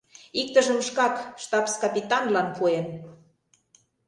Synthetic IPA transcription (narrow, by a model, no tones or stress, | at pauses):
ik̚t̪ə̆ʒə̆mʃkɑkʃt̪ɑpskɑpʲit̪ɑnlɑnpʰuen